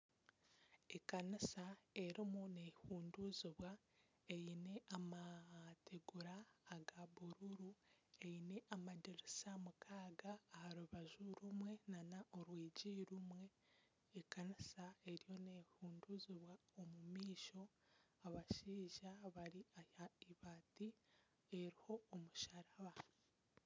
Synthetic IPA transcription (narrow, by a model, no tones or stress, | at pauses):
ekanisae̞ɾimune̞huːnduziβwa | e̞jine̞amatʰeɡuɾaːɡaβuɾuɾueine̞ʔamaɟeɾisamukʰaːɡaːhaɾuβaʒuɾumwe̞nanaʔo̞ɾwiːɟiɾumwe̞ː | kanisae̞ɾijo̞ne̞ːhuːnduziβwaomumiːʃo̞ | aβaʃiːʒaβaɾiahaiβaːti | eɾiho̞ːmuʃaɾaβa